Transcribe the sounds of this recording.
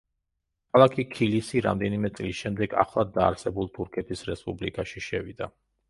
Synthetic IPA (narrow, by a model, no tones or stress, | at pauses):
kʰalˠakʰikʰilisiɾa̰md̪ɛnimɛt̪sʼlisʃɛmd̪ɛɡa̰χlˠad̪ːaːɾsɛbulˠt̪ʰuɾkʰɛt̪ʰisɾɛspʼublikʼaʃiʃɛvid̪a